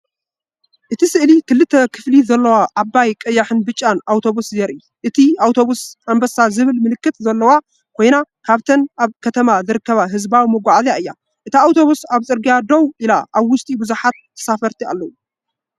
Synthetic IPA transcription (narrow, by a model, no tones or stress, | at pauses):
ʔɨt̪ʰisɨʔlikʰɨlːɨt̪ʰːɐkʰɨflizɐlːɐwaʔːbajkʼɐjːaħɨnbɨt͡ʃʼːanawt̪ʰo̞βuszɛɾʔi | ʔɨt̪ʰiawt̪ʰo̞βusʔambɐsazɨβɨlmɨlɨkːɨt̪zɐlːɐwa | kʰo̞jnakʰaβt̪ʰɐnʔaβkʰɐt̪ʰɐmazɨɾɨkːɐβaɦɨzbawimɐɡʷaʕzaʔɨjːa | ʔɨt̪ʰiawt̪ʰo̞βusaβt͡sʼɨɾɡijad̪owʔilaʔaβwʊst̪ʼibɨzuħat̪ːʰɐ̥safɐɾt̪ʰia̰lːɐwu